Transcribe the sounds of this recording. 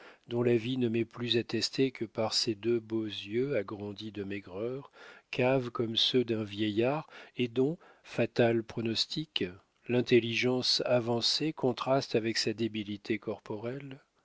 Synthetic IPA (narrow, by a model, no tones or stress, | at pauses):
d̪ɔ̃lavinəmɛplyzat̪ɛst̪ekəpaʁsed̪øbozjøaɡʁɑ̃d̪id̪əmɛɡʁœʁkavkɔmsød̪ɛ̃vjɛjaːʁed̪ɔ̃ | fat̪alpχɔnɔst̪ik | lɛ̃t̪eliʒɑ̃savɑ̃sekɔ̃t̪χast̪avɛksad̪ebilit̪ʰekɔʁpɔʁɛl